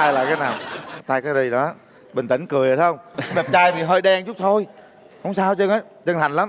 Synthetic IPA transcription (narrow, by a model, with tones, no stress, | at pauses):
aː˧jla̰ː˧˨˩kaː˨˦jnaː˨˩wt̪aː˧jkaː˨˦jzi˧ɗɔ˨˦ | ɓï˨˩ŋ̟t̪ï˧˩ŋ̟kɨ˨˩əjə˨t̪a˧˦ə˧wŋ͡mma˨˩m̚t͡ɕaː˧jvi˨˩ɦəː˧jɗɛ˧ŋt͡ɕu˦˥t̪ʰo˧j | hə˧wŋ͡msaː˧wt͡ɕə˧ŋʔə˨˦jt͡ɕə˧ŋt̪a˨˩ŋ̟la˨˦m